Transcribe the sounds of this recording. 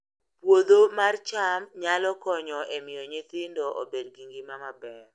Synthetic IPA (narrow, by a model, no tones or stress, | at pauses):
pwod̪omart͡ʃamɲalɔkɔɲɔʔemɪjɔɲet̪ɪndɔʔo̰bedɡiŋɡɪmamabɛr